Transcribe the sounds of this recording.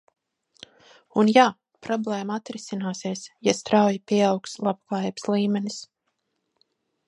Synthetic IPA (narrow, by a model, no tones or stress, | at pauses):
unjaː | pɾɔblˠeːmaat̪ɾisinaːsiɛsjast̪ɾawjipʲiɛawkslˠab̚klˠaːjbslˠiːmɛnis